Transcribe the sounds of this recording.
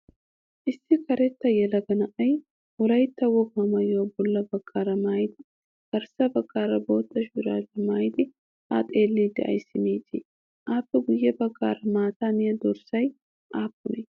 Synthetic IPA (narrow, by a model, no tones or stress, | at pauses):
ʔɪsːɪkɐɾɛt̪ːɐjɛlɐɡɐnɐʔɐj | wɔlɐjt̪ːɐwɔɡmɐmɐjoːbɔlːɐbɐɡːaːɾɐmaːjt̪ɪ | ɡ̥ɐɾsɐbɐɡʼːaːɾɐbo̞ːt̪ːɐʃɪɾaːlɐmaːjd̪ɪ | a̰t̪ʼeːlːiːd̪ɪ̰ʔɐ̰jsɪniːt̪ɪ̰ | ʔaːpːɛɡʊjːɛbɐɡːa̰ːɾɐmaːt̪aːnɪjɐd̪ɔɾsɐj | ʔaːpːʊnɛ